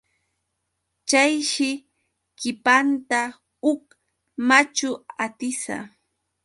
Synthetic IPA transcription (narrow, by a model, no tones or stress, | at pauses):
t͡ʃajʃɪ | kɪpant̪a | ʊk | mat͡ʃʊat̪ɪsa̰